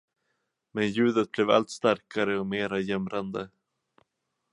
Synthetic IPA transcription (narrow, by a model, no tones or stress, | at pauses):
mɛnjʉ̟ːd̪ət̪̚blɛva̰lt̪st̪aɾkʰaɾəɔmeːɾajɛmɾand̪ə